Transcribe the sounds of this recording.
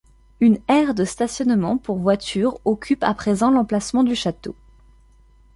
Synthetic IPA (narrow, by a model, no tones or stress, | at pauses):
ynɛʁd̪əst̪asjɔnmɑ̃puʁvwat̪ʰyʁɔkʲypa̰pχezɑ̃lɑ̃plasmɑ̃d̪yʃat̪o